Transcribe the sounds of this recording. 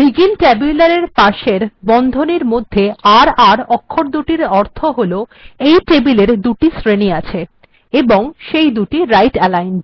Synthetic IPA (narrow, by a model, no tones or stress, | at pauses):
ɾiɡinʈɛbiulaɾeɾpaʃeɾbɔnd̪ʱoniɾmod̪ʱːeaɾaɾɔkʰːoɾd̪uʈiɾɔɾt̪ʰoɦolo | ejʈebileɾd̪uʈisɾeniat͡ɕʰe | eboŋʃejd̪uʈiɾajʈɛlajn